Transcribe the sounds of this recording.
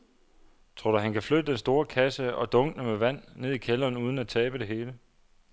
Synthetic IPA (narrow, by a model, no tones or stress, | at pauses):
t͡sʰʁoɐːɾ̥ɑɦænkʰæflød̥əd̥ensd̥o̝ːɐkʰæsəɒ̽d̥ɔ̽ŋ̥nəmeʋæn̰ne̝ð̞ˠikʰelɐːnuːð̞ˠn̩æt͡sʰɛːb̥əd̥e̝ɦe̝ːlə